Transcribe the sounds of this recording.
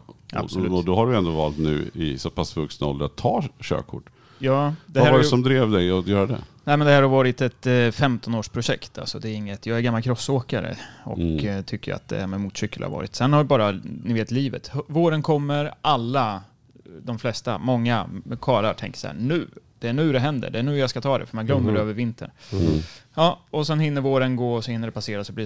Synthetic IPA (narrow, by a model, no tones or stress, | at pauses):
ʔa̰̥sɔlɔd̪ɔɦaɖɵɛnd̪ovɑ̰ːlt̪nʉ̟̰ːɪ̰sɔpʰasvɵksnaɔ̰ləɾat̪ʰːɑːɕø̰ːkʰːʊ̰ʈː | jɑːd̪ɛaæɾvaɖɛsɔmd̪ɾeːvd̪ɛjɔjœːɾad̪ɛ̰nɛɪmɛnd̪ɛhæːɾhaɾvɑːɾɪt̪ɛt̪fɛmt̪ɔnoːʂpʰɾʊɕɛkt̪ʰa̰lsɔd̪ɛːɾɪŋːət̪jɑːɡæɾɡamːalkʰɾɔsoːkaɾə̰ɔ̰kt̪ʰʏkːə̰a̰t̪̚d̪ɛ̰æɾmɛmuːt̪ɕʏkːəlʔa̰v̰ːɾɪt̪sɛnhavɪbɑːɾanɪveːt̪liːvə̰t̪voːɾənkʰɔmːəɾʔalːa | d̪ɔmflɛst̪a̰mɔŋːakʰɑːɾa̰ɾt̪ʰɛ̰ŋkə̥sa̰hæ̰ɳʉ̟ːd̪̥ɛæɳʉ̟ːd̪ɛɦɛnd̪ə̰ɖɛæɳʉ̟ːjaskat̪ʰɑːd̪ɛ̰fœɾmanɡlœmːəɾdɖɛøːvəɾvɪnt̪ʰə̰n | jɑːɔsɛnhɪnːəɾvoːɾənɡoːɔsɔhɪnːəɖɛpʰaseːɾasɔbli